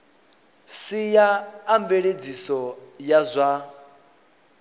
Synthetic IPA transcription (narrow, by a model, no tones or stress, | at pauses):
sijaːmbeɺed͡zisɔjazʷa